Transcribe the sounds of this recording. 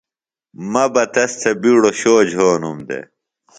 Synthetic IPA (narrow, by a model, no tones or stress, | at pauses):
mɐbɐt̪ɐst̪ʰɐbiɽoɕoːd͡ʑɦoːnumd̪ḛ